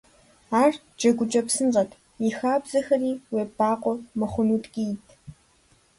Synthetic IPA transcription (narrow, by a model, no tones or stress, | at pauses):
aːr | d͡ʒʼɐɡʷʊt͡ʃʼɐpsɨnzɐtʰ | ixaːbz̥ɐxɐriːweːbaːqʷɔmɨχʷʊnuːtɡʲʼijtʰ